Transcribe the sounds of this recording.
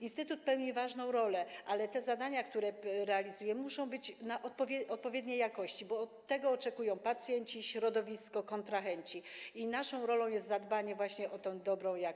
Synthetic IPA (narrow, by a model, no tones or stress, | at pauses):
inst̪ɘt̪ut̪̚pɛwɲivaʐnɔ̃w̃ɾɔlɛʔalɛt̪ɛzad̪aɲakt̪uɾɛɾɛalʲizujɛmuʂɔ̃w̃bɘt͡ɕnaʔɔt̪̚pɔvʲɔt̪̚pɔvʲjɛd̪ɲejakɔɕt͡ɕibɔːt̪ːɛɡɔːt͡ʂɛkujɔ̃w̃pat̪sʲjɛɲt͡ɕiɕɾɔd̪ɔvʲiskɔkɔnt̪ɾaxɛɲt͡ɕiinaʂɔ̃w̃ɾɔlɔ̃w̃jɛst̪zad̪baɲɛvwaɕɲɛʔɔt̪ɛ̃w̃d̪ɔbɾɔ̃w̃ja